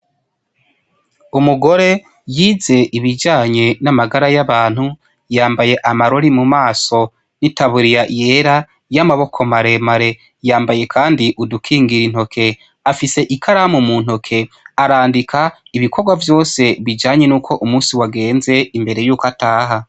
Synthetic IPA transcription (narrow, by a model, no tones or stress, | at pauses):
umuɡo̞ɾe̞ | jiːze̞ʔiβid͡ʒaːɲe̞namaɡaɾajaβaːn̥hu | jaːmbaje̞ʔamaɾo̞ɾimumaːso̞ | nitaβuɾijaʔje̞ɾa | jamaβo̞kʰo̞maɾe̞maɾe̞ | jaːmbaje̞kʰaːndiʔudukʰiːŋɡiɾin̥ho̞kʰe̞ | afise̞ʔikʰaɾamumuːn̥ho̞kʰe̞aɾaːndikʰaiβikʰo̞ɾɡwavjo̞ːse̞βid͡ʒaːɲe̞nuːkʰo̞ʔumuːnsiwaɡe̞ːnze̞imbe̞ɾe̞juːkataːɦa